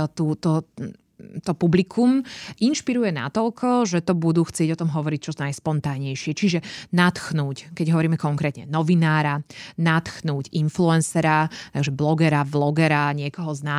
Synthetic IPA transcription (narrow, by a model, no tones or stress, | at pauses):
t̪uːt̪ɔ | t̪ɔpublikʰumʔinʃpiɾujɛna̰t̪ɔlkʰɔʒɛt̪ɔbud̪uːxt͡sɪɛɟɔt̪ɔmɦɔʋɔɾic̚t͡ʃɔnajspɔnt̪aːɲɛjʃɪɛt͡ʃiʒɛnat̪xnuːckɛɟɦɔʋɔɾiːmɛkɔŋkɾɛːt̪ɲɛ̰nɔʋinaːɾanat̪xnuːcinfluɛnsɛɾat̪aɡʒɛblɔɡɛɾablɔɡɛɾaɲɪɛkɔɦɔznaː